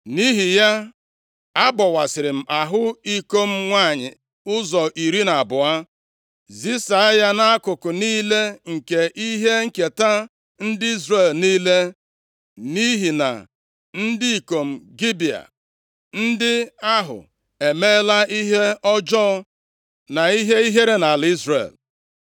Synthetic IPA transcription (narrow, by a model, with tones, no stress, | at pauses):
ni˦ɦi˨ja˦ | a˦bɔ˨wa˨sɪ˨ɾɪ˨m̩˨a˨ɦʊ˦i˦ko˦m̩˦ŋʷa˦˨ɲɪ̰˨ | ʊ˦zɔ˨ʔi˨ɾi˦na˨bʊ˨a˦ | zi˦sa˨a˦ja˦na˦a˦kʊ˨kʊ˨niː˦le˦ŋ̩˨ke˨ʔi˦ɦe˦ŋ̩˦ke˨ta˦ | n̩˦dɪ˦i˦zre˨lniː˦le˦ | ni˦ɦi˨na̰˨ | n̩˦di˦i˨ko˨m̩˨ɡi˦bi˨a̰˨ | n̩˦dɪ˦a˦ɦʊ̰˨ | e˨me˦la˦i˦ɦe˦ɔ˦d͡ʒɔː˦ | na˨i˦ɦe˦i˦ɦe˦ɾe˦na˨li˦zɾḛ˨l